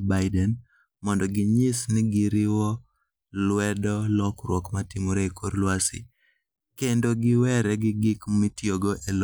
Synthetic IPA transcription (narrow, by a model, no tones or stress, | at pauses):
baɪdɛn | mɔndɔɡɪɲɪsnɪɡɪɾɪwɔ | lwɛdɔlɔkɾwɔkmatɪmoɾeikʰoɾlwasɪ̰ | kendoɡɪwɛɾɛɡɪɡɪkmitjoɡoʔel